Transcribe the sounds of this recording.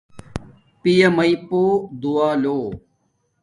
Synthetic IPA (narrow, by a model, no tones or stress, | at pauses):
pijɐmɐipoːd̪uaːloː